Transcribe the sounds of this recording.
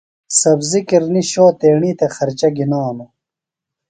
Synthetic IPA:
sɐbzikiɾniɕoːt̪eːɳiːt̪exɐɾt͡ɕɐɡinoːno

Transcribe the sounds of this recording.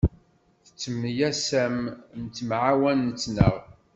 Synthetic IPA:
θə̥t͡sːəmːjæsæmnt̪ːmʕawænːət͡sːnə̰ʁ

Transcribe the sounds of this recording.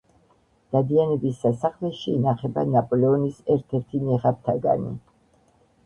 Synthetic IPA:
d̪̥ad̪ianɛbisasaχlɛʃiːnaχɛbanapʼɔlɛɔnisɛɾt̪ʰɛɾt̪ʰinɛʁap̚t̪ʰaɡa̰nḭ

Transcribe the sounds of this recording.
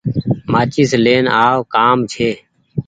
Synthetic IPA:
maːt͡ʃiːsleːnaːʋkaːmt͡ʃʰeː

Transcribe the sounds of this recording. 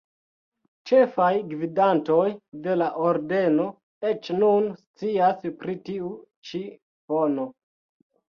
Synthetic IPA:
t͡ʃe̞fajɡvidanto̞jde̞laʔoɾde̞no̞ | e̞t͡ʃnunst͡siaspɾitiu | t͡ʃi | fono̞

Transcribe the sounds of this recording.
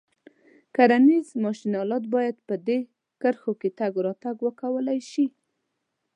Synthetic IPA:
kaɾanizmɑʃinɑlɑd̪̚bɑjad̪pəd̪e | kəɾxoket̪aɡɾɑt̪aɡwəkawəlajʃi

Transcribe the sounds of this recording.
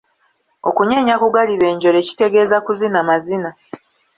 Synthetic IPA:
o̞kuɲe̞ɲakuɡaliβe̞ːɲɟo̞ɾe̞ci̥te̞ɡe̞ːzakuzinamazina

